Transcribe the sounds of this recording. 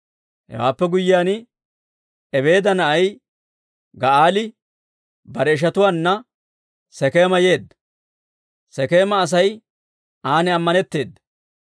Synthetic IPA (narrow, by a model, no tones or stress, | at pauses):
hɛ̰wa̰ːpːɛɡʊjːɪjaːnɪ | ɛβe̞ːd̪ɐnɐʔɐj | ɡɐʔaːlɪ | bɐɾɛɪʃ̬ɐt̪ʊwaːnːɐ | sɛkeːmɐjeːd̪ːɐ | sɛkeːmɐːs̬ɐj | aːnɪɐmːɐnɛt̪ːe̞ːd̪ːɐ̥